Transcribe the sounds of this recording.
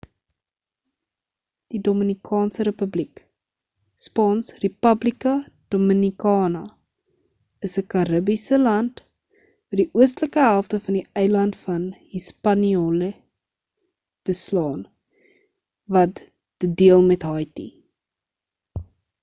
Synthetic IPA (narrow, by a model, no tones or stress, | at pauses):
d̥idomənikʰɑːnsəɾepəblik | spɑːnsrepɐblikɐd̥omənikɑːnɐ | əsəkɐɾəbisəlɐnt | ədiʔuəstləkəɦælˠftəfɐndiəjlɐntfɐnhispɐniolə | b̥əslɑːn | vɐt | d̥ədiəlˠmɛtɦɑjtḭ